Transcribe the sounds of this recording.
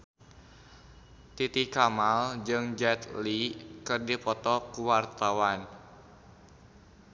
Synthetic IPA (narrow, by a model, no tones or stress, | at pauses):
t̪it̪ikamald͡ʒɨŋd͡ʒɛt̪likɨrdipɔt̪ɔkuwart̪awan